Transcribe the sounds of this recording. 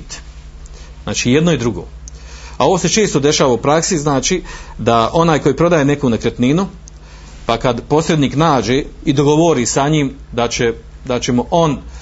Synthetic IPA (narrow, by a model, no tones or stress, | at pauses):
t̪ | zna̰ːt͡ʃiːjed̪no̞id̪ɾuɡo̰ao̞ʋoːse̞t͡ʃe̞ːst̪od̪e̞ʃaːʋaupɾaksiznaːt͡ʃid̪aʔo̞naːjko̞jipɾo̞d̪aːjene̞kunakɾet̪ninu | pakad̪po̞sɾed̪niːknaːd͡ʒe̞id̪o̞ɡo̞ʋoɾisaɲimd̪at͡ʃe | d̪at͡ɕe̞moʔo̞n